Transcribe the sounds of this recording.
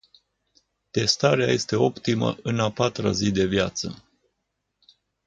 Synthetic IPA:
t̪e̞st̪aɾea̰je̞st̪e̞o̞pt̪imə̰ʔɨnapat̪ɾa̰zid̪e̞vjat̪sə̰

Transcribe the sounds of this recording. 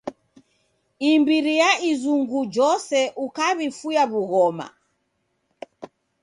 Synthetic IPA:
imbiɾijaizuŋɡud͡ʒɔsɛʔukaβifujaβuɣɔma̰

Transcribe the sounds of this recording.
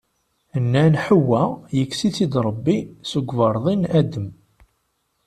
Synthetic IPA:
ənːænħəwːæjəkːsiθid̪ɾˤəbːisuɡvɑɾˤðˤinæd̪əm

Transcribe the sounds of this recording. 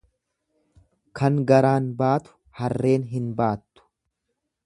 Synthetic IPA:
kʰɐŋɡɐɾaːnbaːt̪ʊ̥ | hɐrːe̞ːnɦɪnbaːt̪ːʊ̥

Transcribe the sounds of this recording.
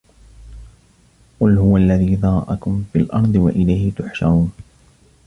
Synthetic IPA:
qʊlhʊwalːaðiːðɑɾˤɑʔakʊmfilʔɑ̰ɾˤd̪ˤɨwaʔɪlajhɪt̪ʊħʃaɾuːn

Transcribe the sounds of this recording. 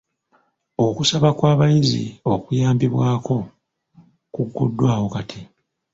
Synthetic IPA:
o̞kusaβakwaːβajizḭo̞kujaːmbiβwaːko̞ | kuɡːo̰dːwaːhokatʰi

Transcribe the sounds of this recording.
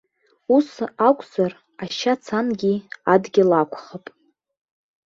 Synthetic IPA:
usakʷʼzar | aʃat͡sʰanɡʲiadɡʲɪlakʷʰʼχapʼ

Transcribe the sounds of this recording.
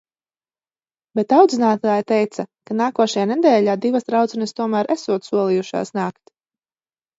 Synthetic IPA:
bet̪awd̪zinaːt̪aːjt̪ɛjt̪sakanaːkuɔʃajaːnɛd̪ɛːʎaːd̪ivasd̪ɾawd̪zɛnɐst̪uɔmæːɾʔæsuɔt̪suɔlˠijuʃa̰ːsnaːkt̪

